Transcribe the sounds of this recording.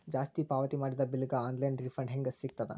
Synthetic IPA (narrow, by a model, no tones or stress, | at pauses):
d͡ʒaːst̪ipaːʋɐt̪imaːɽid̪ɐbiliɡɐaːnlɐjɳɖɾifʰɾɐɳɖɦeŋɡɐsːiɡ̚t̪ɐd̪ɛ̰